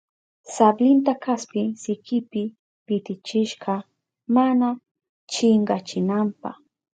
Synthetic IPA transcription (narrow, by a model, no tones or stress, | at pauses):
sablɪnt̪akaspɪsɪkɪpɪ | pɪt̪ɪt͡ʃɪʃɢɑ | mana | t͡ʃɪŋɢɑt͡ʃɪnampɑ̰χ